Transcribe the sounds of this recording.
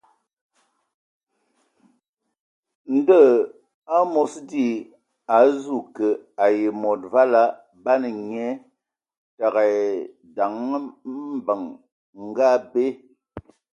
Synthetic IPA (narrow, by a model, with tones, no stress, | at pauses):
n̩˦də˦˨ | a˦mɔ˨sdi˦ | a˨zu˦˨kə˨a˨je˨mɔ˨t̚va˦la˦ | ba˦nə˨ɲɛ˦ | ta˨ɣa˨ | da˨ŋ˦m̩˦bə˨ŋ | ŋ̩˨ɡa˦˨be˦